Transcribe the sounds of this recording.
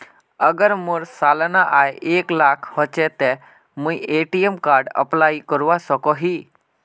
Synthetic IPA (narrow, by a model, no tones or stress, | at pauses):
əɡəɾmuɾsalnaʔajʔeklakʰhɔt͡ʃɛt̪e | mũjʔeʈiemkaɾɖə̰plaikəɾʋasəkɔɦi